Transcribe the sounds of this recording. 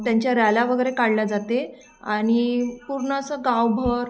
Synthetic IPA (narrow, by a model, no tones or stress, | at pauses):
t̪jaɲt͡ɕjaɾjalaʋəɡəjɾekaɽlad͡zat̪e | aɽ̃ipuɾɳəsəɡawbʱəɾ